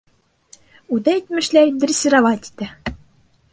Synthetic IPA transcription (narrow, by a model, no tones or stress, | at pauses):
ud̪æit̪mɘ̆ʃlæd̪ɾʲɘsʲɘ̆ɾɑvɑt̪ʲi̥t̪ɘ